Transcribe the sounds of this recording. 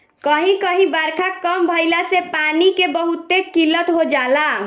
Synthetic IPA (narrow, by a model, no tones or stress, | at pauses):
kəɦĩkəɦĩbaɾkʰakəmbʱəjlasepanikebəɦut̪ekilət̪ɦod͡ʒala